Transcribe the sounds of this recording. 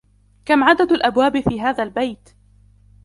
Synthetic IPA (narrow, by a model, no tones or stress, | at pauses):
kamʕad̪ad̪alʔabwaːbɪfiːɦaːðalbajt̪